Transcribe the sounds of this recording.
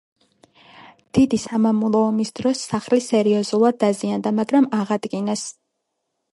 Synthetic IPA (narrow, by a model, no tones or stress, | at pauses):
d̪̥id̪isamamulˠɔɔmisd̪ɾɔsːaχlisɛɾiɔzulˠad̪̚ːaziand̪amaɡɾamaʁad̪̥ɡinas